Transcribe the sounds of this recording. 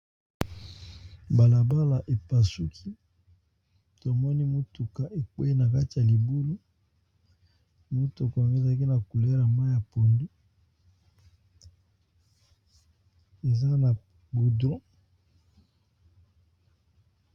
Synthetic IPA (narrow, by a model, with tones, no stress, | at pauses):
ba˨la˨ba˦la˨ʔe˨pa˨su˦kʰi˦ | to˨mɔ˦ni˦mo˦tu˨ka˨ʔe˨k͡pwɛ˦e˦na˨ka˦ti˨ja˨li˨bu˦lu˦ | mo˦to˨kɔ˨a˨ŋɡo˦˨za˨˦ki˦na˨ku˨le˦la˨ma˦ja˨po˨ndi˦ | e˨za˦na˨ | bu˨dʁɔ̃˦